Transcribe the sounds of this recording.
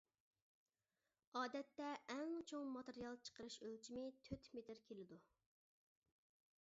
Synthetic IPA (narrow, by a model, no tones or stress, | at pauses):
ɑːd̪ɛt̪ːɛʔːŋt͡ʃʰoŋmɑt̪əɾijɑlˠt͡ʃʰə̥qəɾɨʃølt͡ʃʰimɪt̪ʰøt̪met̪ɪɾkʲʰelɪd̪u